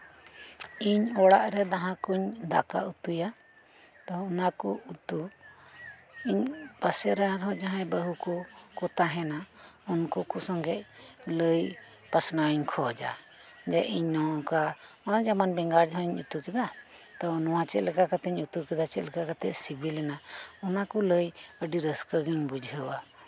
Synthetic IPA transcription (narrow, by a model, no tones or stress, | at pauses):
iɲɔɽaʔɾɛd̪aɦãkuɲd̪a̰ka̰ut̪uja | t̪ɔːnakɔut̪u | iɲpasɛɾaɾɦɔ̃d͡ʒaɦãjbəɦukɔkɔt̪aɦɛnaunkɔkɔsɔŋɡɛʔ̚ləj | pasnawiɲkʰɔd͡ʒa̰ | d͡ʒaʔiɲnɔkaɔnad͡ʒamanbɛŋɡaɾd͡ʒaɦãiɲṵt̪ukɛd̪a | t̪ɔnɔwat͡ʃɛt̪̚lɛkakat̪ɛɲut̪ukɛd̪at͡ʃɛt̪lɛkakat̪ɛʔsibilɛnaɔnakɔləjəɖiɾəskəɡiɲbud͡ʒʱɦəwa